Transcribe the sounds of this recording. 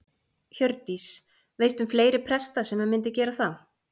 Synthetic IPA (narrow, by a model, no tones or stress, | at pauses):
çœɾt̪is | veːjst̪ʏmfleːjɾɪpʰɾɛst̪asɛmamɪnt̪̬ɪcɛːɾaθa